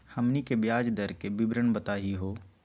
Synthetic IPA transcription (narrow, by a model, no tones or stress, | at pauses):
hɐmnikebjaːd͡ʒd̪əɾkebɪbɾəɳbət̪aːɦiɦoː